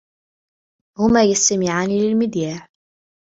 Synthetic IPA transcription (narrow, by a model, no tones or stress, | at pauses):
hʊmaːjast̪amɪʕaːniːlɪlmɪd̪jaːħ